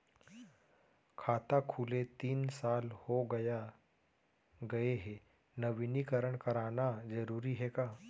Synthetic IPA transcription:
kʰat̪akʰulet̪iːnsalhoɡəja | ɡəeɦe | nəʋinikəɾəɳkəɾanad͡zəɾuɾiɦeka

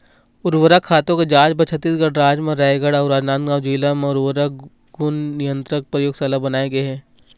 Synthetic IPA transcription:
ʊɾʋəɾakʰaːt̪õked͡ʒaːd͡ʒbɐt͡ʃʰət̪ːiːsɡəɽɾaːd͡ʒmẽɾɛɡəɽɐʊɾaːd̪nãːnɡaːwd͡ʒiːlamẽʊɾwəɾa | ɡʊnnɪjə̃nt̪ɾək̚pɾəjoːɡsɐlabɐnaːeɡɐeɦɛː

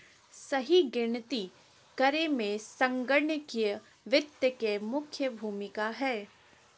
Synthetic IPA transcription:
sɐɦiɡɪnt̪i | kɐɾemẽsɐ̃ŋɡəɾɳjəkij | ʋɪt̪jəkemʊkʰjəbʱuːmɪkaɦɛː

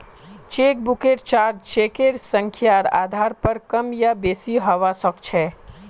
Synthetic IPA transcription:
t͡ʃeːkbʊkeʈt͡ʃaːɾd͡ʒt͡ʃeːkeɾsə̃ŋkʰjaːɾa̰ːd̪ʱaːɾpɐɾkɐmjabeːsiɦɐʋasəkt͡ʃʰɛː

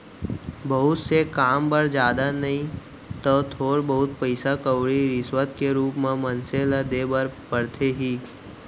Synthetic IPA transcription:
bəɦʊt̪sekaːmbəɾd͡ʒjaːd̪anɐɦĩ | t̪ot̪ʰoːɾbɐɦʊt̪pəɪsakəwɽiɾɪswət̪keɾuːpmẽmɐnselad̪ebəɾpəɾt̪ʰeɦiː

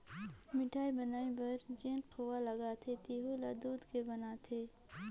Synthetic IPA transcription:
mɪʈʰaːibɐnaːĩbɐɾd͡ʒẽːnqowalɐɡat̪ʰet̪iːɦulaːd̪uːd̪kebɐnaːt̪ʰeː

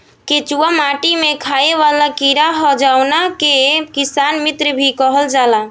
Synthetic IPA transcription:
ket͡ʃuamaʈimekʰaeʋalakiɾaɦɔd͡ʒawnakekisanmit̪ɾəbʱikəɦəld͡ʒala

